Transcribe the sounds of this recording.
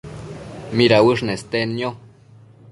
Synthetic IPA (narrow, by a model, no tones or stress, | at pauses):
miɾawəʂnest̪enjo